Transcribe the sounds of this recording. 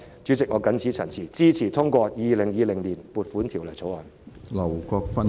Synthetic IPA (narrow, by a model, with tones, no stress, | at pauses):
t͡ʃyː˨˥t͡sɪ˨k̚ŋɔː˨˧kɐ˨˥nt͡sʰiː˨˥t͡sʰɐ˨˩nt͡sʰiː˨˩t͡siː˥t͡sʰiː˨˩t̪ʰʊ˥ŋkʷɔː˧jiː˨˧lɪ˨˩ŋjiː˨˧lɪ˨˩ŋliː˨˩npuː˨˧t̚fu˨˥nt̪ʰiː˨˩wlɐ˨˩jt͡sʰo˨˥wɔː˨˩n | lɐ˨wkɔː˧k̚fɐ˥n